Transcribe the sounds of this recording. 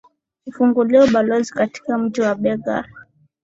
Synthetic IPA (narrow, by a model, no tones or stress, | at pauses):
ufuŋɡuliɔɓalɔzikati̥kam̩d͡ʒiwaɓɛɡa̰ɾ